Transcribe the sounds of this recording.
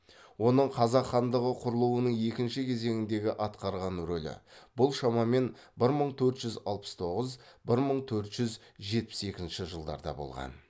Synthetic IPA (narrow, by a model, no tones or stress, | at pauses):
wo̞nəɴqʰɑzɑqχɑnd̪əʁəqʰʊɾəlˠuwənəɴje̞kʲɪnʃɪkʲʰe̞ze̞ŋɪnd̪e̞ɡʲɪʔɑt̪qɑɾʁɑnɾɵlɪ̰b̥ʊlˠʃɑmɑme̞n | bɪɾməɴt̪ʰɵɾt̪ʒ̥ʏzɑ̰lˠpə̥st̪ʰo̞ʁəzbɪɾməɴt̪ʰɵɾt̪ʒ̥ʏzʒe̞t̪̚pɪ̥se̞kʲɪzɪnʃɪʒəlˠd̪ɑ̰ɾd̪ɑ̰bo̞̰lˠʁɑ̰n